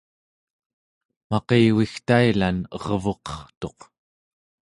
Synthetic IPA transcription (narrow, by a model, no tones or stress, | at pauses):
mɑqeːwixt̪ailanʌʁvoqʌ̥χt̪o̞q